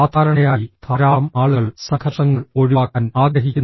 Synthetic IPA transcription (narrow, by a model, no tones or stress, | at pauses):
aːt̪aːɾɐɳɐjaːjit̪ʰɐɾaːmaːɭuɣɐɭsɐkʰɐt̪ːɐŋːɐɭo̞ɻuʋaːkːaːnaːɡɾɐɦikʲːun